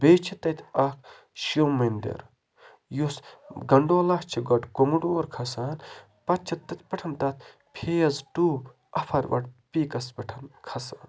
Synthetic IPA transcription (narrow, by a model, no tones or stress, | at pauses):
beːt͡ʃʰit̪ɐt̪ʰɐk | ʃowmɐnd̪ḛɾ | josɡɐɳɖoːlɐht͡ʃʰiɡɐɖkomuɖoːɾkʰɐsaːn | pɐt̪̚t͡ʃʰɐt̪t̪ːɐt̪ʰpɐʈʰɐnt̪ɐt̪ʰ | pʰejɐzʈuː | ɐpʰɐɾʋɐ̰ʈpiːkɐsbɐʈʰɐnkʰɐsaːn